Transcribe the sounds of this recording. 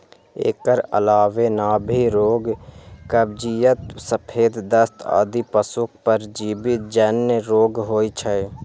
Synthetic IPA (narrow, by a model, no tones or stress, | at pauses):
ḛːkəɾə̰laːʋenaːbʱiɾoːɡkəbd͡ʒijət̪səpʰeːd̪d̪əst̪ʰa̰ːd̪ipəsʊk̚ʰpəɾd͡ʒiːbit̪̚d͡ʒənːəɾoːɡɦoːit͡ʃʰəe